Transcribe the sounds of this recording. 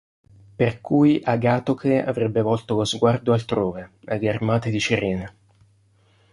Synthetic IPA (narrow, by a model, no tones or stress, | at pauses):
perkujʔaɡaːt̪okʰea̰vɾɛbːevɔlt̪olozɡward̪oalt̪ɾoːvead̪earmaːt̪ed̪it͡ʃiɾɛːne